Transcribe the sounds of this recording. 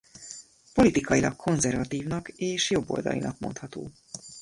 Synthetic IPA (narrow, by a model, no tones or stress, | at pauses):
po̞lit̪ikɒjilɒkʰːo̞nzɛrvɒt̪iːvnɒkeːʃjo̞bːo̞̰ld̪ɒ̰lḭnɒk̚mo̞̰nt̪hɒt̪o̰ː